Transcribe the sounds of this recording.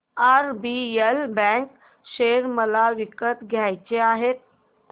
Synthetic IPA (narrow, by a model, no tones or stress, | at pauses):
aɾbielbɛ̃k | ɕeɾməlaʋikət̪ɡʱjajt͡ɕeaɦet̪̚